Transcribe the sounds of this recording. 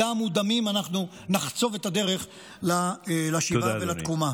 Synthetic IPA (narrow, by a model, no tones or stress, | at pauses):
amud̪amimanaχnu | naχt͡so̞vet̪ad̪e̞ʁe̞χ | lalaʃiavelat̪kuma